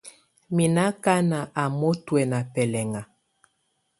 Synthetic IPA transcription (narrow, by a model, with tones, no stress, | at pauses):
mi˨na˦ka˦na˨ʔa˨mo˦twɛ˨na˨pɛ˨lɛ˨ŋa˨